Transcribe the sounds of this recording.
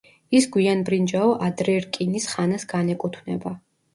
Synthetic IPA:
isɡwianbɾind͡ʒaɔʔad̪ɾɛɾkʼinisχanasɡ̥anɛkʼut̪ʰwnɛ̰ba

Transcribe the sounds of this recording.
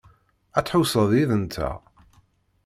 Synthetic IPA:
æt͡sħusəðˤiðənt̪ʰæ̰

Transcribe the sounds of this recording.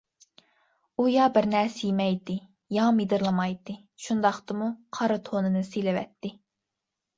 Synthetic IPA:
ujɑbɪɾnɛɾsɪjmɛjd̪ɨ | jɑmid̪ɨɾlˠɨmɑjd̪ɨ | ʃund̪ɑχt̪ɨmuqʰɑɾɨt̪ʰonɨnɨselɪvɛ̰t̪ːɪ

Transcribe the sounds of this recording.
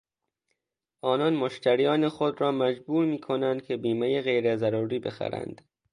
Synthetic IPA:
ʔɒːnɒːnmoʃt̪ʰæɾijɒːnexod̪ɾɒːmæd͡ʒbuːɾmiːkʰonænd̪̥̚cʰe̞biːmejeɣejɾezæɾuːɾiːbe̞xæ̰ɾæ̰nd̪̥

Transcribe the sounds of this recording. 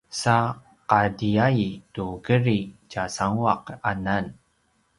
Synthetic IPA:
sa | qadiajtuɡəɾit͡ɕasaŋuaqanan

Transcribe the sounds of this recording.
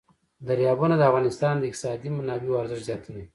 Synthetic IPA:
d̪aɾjɑbunad̪əafɣɑnɪst̪ɑnd̪əɪk̚t̪ɪ̥sɑd̪imanɑbewaɾzɪʃzjɑt̪ʰune

